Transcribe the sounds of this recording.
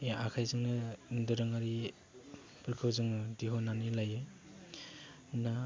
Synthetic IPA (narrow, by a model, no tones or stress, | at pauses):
akʰajzɯŋnɯdɯɾɯŋaɾi | pʰɯɾkʰɯwzɯŋɯdiɦonanilajɯ | na